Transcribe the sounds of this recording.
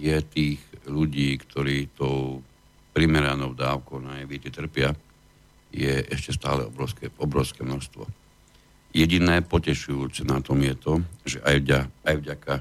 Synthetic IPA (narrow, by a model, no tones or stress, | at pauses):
jɛt̪iːɣʎuɟiːkt̪ɔɾiːt̪ɔʊ | pɾimɛɾanɔʊd̪aːʊkɔʊnajɛʋɪɛcɛt̪r̩pɪa | jɛʔɛʃcɛst̪a̰ːlɛ̰ɔbɾɔʊskɛɔbɾɔʊskɛːmnɔʃst̪ʋɔ̰ | jɛɟinɛːpɔcɛʃujuːt͡sɛnat̪ɔmjɛt̪ɔʒɛʔajaajvɟaka